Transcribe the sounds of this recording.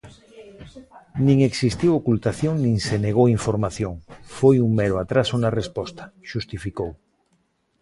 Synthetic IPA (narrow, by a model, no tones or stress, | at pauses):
nĩŋeksist̪iwokult̪aθjõŋnĩŋseneɣ̞owiɱfoɾmaθjoŋfojuŋmeɾoat̪ɾasunarespɔst̪ḁʃust̪ifikow